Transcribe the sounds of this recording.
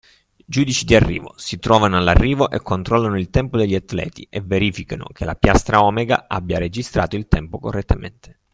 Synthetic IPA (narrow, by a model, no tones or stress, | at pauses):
d͡ʒuːd̪it͡ʃid̪iarːḭːvo̰sit̪ɾɔːvanoalːarːiːvoʔekʰːont̪ɾɔlːanoilt̪ɛmpod̪eʎːiat̪ːlɛ̰ːt̪ḭeveɾiːfikano̰k̟ʰelapjast̪ɾaɔmeɡa̰a̰bːjaɾed͡ʒist̪ɾaːt̪oilt̪ɛmpokorːet̪ːamḛnt̪ʰe̥